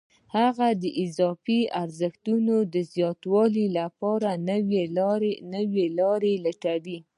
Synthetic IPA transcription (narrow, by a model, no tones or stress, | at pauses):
haɣad̪əʔɪzɑfiaɾzəxt̪unod̪əzjɑt̪wɑlilapɑɾanweɾnəwelɑɾelaʈaɽi